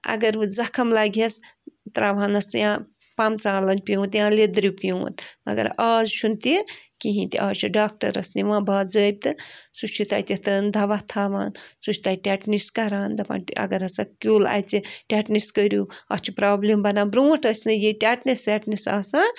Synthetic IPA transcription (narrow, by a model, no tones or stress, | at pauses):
ɐ̰ɡɐɾzɐkʰɐmlaːɡʲɐst̪ɾaːʋãːnɐsɨjãː | pamt͡saːlɐnʲpiũːt̪jãːled̪ɾipiũːt̪mɐ̰ɡɐ̰ɾaːzʃunt̪ikiɦĩt̪iʔaːzt͡ʃʰiɖaːk̚ʈɐ̰ɾɐ̰sniʋãːbaːzəːjb̚t̪ɨsut͡ʃʰit̪a̰ːjt̪ʲit̪ɨnd̪ʱɐʋat̪ʰaːʋaːnsut͡ʃʰʲt̪aiʈʲaːʈniskɐɾaːnd̪ɐpa̰ːɐ̰ɡɐɾɐsakʲuːla̰ːjt͡siʈʲaːʈniskəɾjuɐt͡ʃʰupɾaːblembɐnaːbɾuːʈɐsnɨjiʈʲaːʈnisɾʲaːʈnisa̰ːsãːn